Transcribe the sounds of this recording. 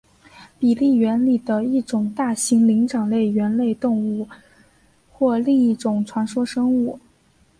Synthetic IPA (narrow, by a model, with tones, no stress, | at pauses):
pi˨˩li˥˩ɥɛ˧˥nli˨˩d̪ə˦i˥˩ʈ͡ʂʊ˨˩ŋt̪a˥˩ɕi˧˥ŋli˧˥ŋʈ͡ʂɑ˨˩ŋle˥˩ɪɥɛ˧˥nle˥˧ɪt̪ʊ˥˧ŋu˥˩ | xwɔ˥˧li˥˧ŋi˥˩ʈ͡ʂʊ˨˩ŋʈ͡ʂʰwa˧˥nʂwɔ˥ʂɤ˥ŋu˥˩